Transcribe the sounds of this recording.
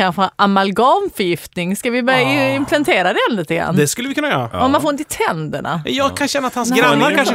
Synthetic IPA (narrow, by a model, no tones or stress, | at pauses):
anɧɛʔamalɡɑnfœɾjɪft̪nɪŋskavɪbœɾjaɪmpʰlant̪ʰeːɾad̪ɛɛnliːt̪əɡɾa̰nːd̪ɛskɵlːəvɪkɵnːajœ̰ːɾa̰ɔmːanfoːɾɪnt̪ɪt̪ʰɛnd̪əɳa̰jɑɡkʰanɕɛnːat̪hansɡɾanːaɾkanʂ